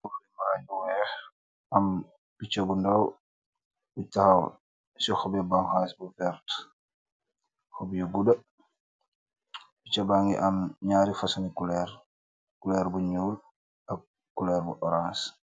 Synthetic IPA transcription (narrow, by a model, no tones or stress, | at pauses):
ufimaɾajuwɛːx | ʔɐm | b̥it͡ʃɐbundɐw | butahɐw | sɔxɔbɛbaŋxasbuvɛɾt | xɔbjuɡudɐ | bit͡ʃɐbaŋɡḭʔɐmɲaːɾifɐsɐnikulɛɾ | kulɛːɾbuɲuːl | ɐk̚ː | ulɛːɾbṵʔɔɾans